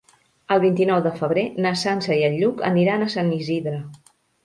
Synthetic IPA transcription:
əlˠβint̪inɔwðəfəβ̞ɾenəsansəiəʎːukə̰niɾanəsaniziðɾə

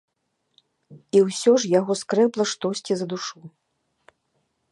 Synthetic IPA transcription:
iwsʲɔʐjaɣɔskɾɛplˠɐʂt̪ɔsʲt͡sʲizɐd̪uʂu

